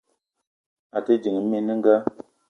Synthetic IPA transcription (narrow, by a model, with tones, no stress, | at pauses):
a˨ti˦d͡ʒi˨ŋ˨˦mi˦ni˦ŋ̩˦ɡa˦